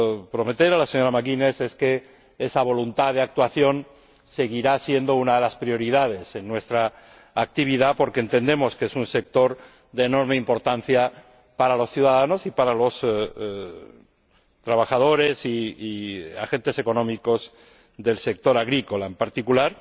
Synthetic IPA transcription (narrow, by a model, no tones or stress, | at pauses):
pɾo̞me̞t̪e̞ɾalase̞ɲo̞ɾamakine̞se̞ske̞ | esaβ̞o̞lunt̪aðeak̚t̪waθjo̞n | se̞ɣ̞iɾasje̞nd̪o̞unaðe̞laspɾio̞ɾiðað̞e̞se̞nːwe̞st̪ɾaː | k̚t̪iβiðapo̞ɾkeːnt̪e̞nd̪e̞mo̞skeesunse̞k̚t̪o̞ɾ | d̪e̞ːno̞ɾme̞impo̞ɾt̪an̟θja | paɾalo̞sθjuðaðano̞sipaɾalo̞s | t̪ɾaβ̞axað̞o̞ɾe̞siː | a̰xe̞nt̪e̞se̞konõ̞miko̞z | ðe̞lse̞k̚t̪o̞ɾaɣɾiko̞laempaɾt̪ikulaɾ